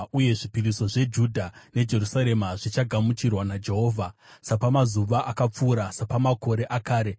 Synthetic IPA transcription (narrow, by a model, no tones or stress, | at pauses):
uje̞ʐipiriso̞ʐe̞d͡ʒudʱane̞d͡ʒe̞rusaɾe̞maʐit͡ʃaɡʱamut͡ʃirwanad͡ʒe̞ɦo̞ːvʱasapamazuʋaʔakap͡fuːɾasapamako̞ɾe̞ʔakaːɾe̞